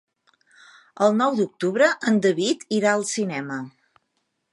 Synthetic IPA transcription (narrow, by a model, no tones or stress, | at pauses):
əlˠnɔwd̪uk̚t̪uβɾəʔənd̪əβit̪iɾaəlˠsinɛmə